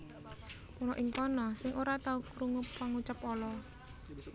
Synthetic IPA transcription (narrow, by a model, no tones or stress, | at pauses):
pɔlɔʔɪŋkɔnɔsɪŋoɾat̪aukɾuŋʊpwaŋut͡ʃapɔlɔ